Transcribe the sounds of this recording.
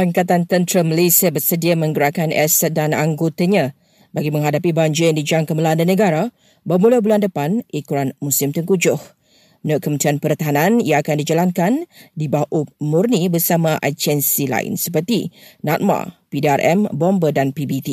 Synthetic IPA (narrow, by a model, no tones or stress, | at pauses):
paŋkat̪ant̪ənt̪ɾəməlesiabərsədiamə̃ŋɡuɾakanɛ̰sɛt̪̚danaŋɡot̪aɲã | baɡimə̃ŋɦadapibaɲd͡ʒɪjaŋdid͡ʒaŋkəməlandənə̃ɡaɾa | bəmulabulandəpanʔikuɾanmusɪmt̪əŋkud͡ʒʊh | nʊʔkəmənt̪ɾianpərt̪aɦanãniaːkandid͡ʒalaŋkandibaʔumurnibərsamãʔa̰t͡ʃɛnsila̰ɪ̰nsəpərt̪inat̪̚ma̰pidiarʔɛ̰mbɔmbədanpibit̪i